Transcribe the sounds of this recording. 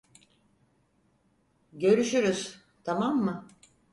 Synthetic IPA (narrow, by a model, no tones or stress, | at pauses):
ɟø̞ɾyʃyɾyz̥ | t̪ʰamamːɯ